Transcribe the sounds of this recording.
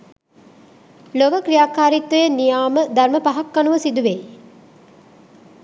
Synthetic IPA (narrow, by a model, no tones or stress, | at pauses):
loʋəkɾijaːkaːɾit̪ʋəjənijaːməd̪aɾməpaɦakːanuʋəsid̪uʋe